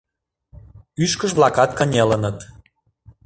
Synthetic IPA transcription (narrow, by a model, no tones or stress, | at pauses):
yʃkəʒβlˠɑkɑt̪̚kə̆nʲelənət̪